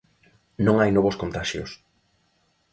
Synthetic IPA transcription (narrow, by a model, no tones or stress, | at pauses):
nõŋajnɔβoskont̪aʃjo̰s